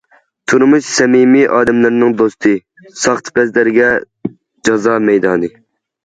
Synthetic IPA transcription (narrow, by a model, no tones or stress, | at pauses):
t̪ʰuɾmuʃsɛmimiʔɑːd̪ɛmlɪɾnɨŋd̪ost̪ʰɨ | sɑχt̪ʰpɛzlɪɾɪɡʲɛ | d͡ʒɑzɑːmɛjd̪ɑːnɨ